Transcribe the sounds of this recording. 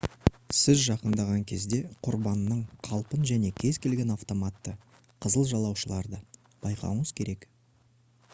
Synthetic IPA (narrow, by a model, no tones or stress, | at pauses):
sɪzʒɑqənd̪ɑʁɑŋkʲʰe̞zd̪e̞qʰʊɾbɑnːəɴqʰɑlˠpənʒæne̞kʲʰe̞zkʲʰe̞lɡʲe̞nɑft̪o̞mat̪ːə | qʰəzəlˠʒɑlˠɑwʃəlˠɑɾd̪ə | b̥ɑjqʰɑ̰wəɴəzkʲʰe̞ɾe̞k